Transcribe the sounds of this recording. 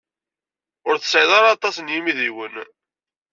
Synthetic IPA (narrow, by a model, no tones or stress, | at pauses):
ʊɾθə̥sˤɪðˤɑɾaːt̪ˤɑsənjimiðiwən